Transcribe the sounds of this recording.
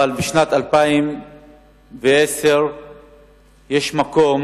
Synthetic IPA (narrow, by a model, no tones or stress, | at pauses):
albeʃnat̪alpaim | veese̞ʁ | je̞ʃmako̞m